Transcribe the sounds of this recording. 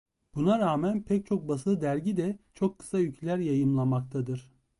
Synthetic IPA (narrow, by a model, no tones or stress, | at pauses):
b̥unaɾaːmænpʰɛc̚t͡ʃʰo̞k̚basɯd̪æɾɟid̪ɛt͡ʃʰo̞kʰːɯ̥sajycʰlʲæɾjajɯmlˠamak̚t̪ʰad̪ɯɾ̥